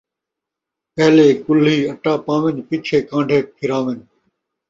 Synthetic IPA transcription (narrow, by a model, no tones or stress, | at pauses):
pɛɦleːkʊliːɐʈaːpãːʋɪnpɪt͡ʃʰeːkãːɳɖʱeːk̚kʰɪɾãːʋɪn